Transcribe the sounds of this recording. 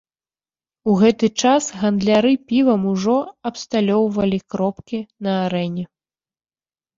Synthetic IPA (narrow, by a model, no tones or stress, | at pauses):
uɣɛt̪ɨt͡ʂasɣɐnd̪lʲaɾɨpʲivɐmuʐɔɐpst̪alʲɔwvɐlʲikɾɔpkʲinɐaɾɛnʲɛ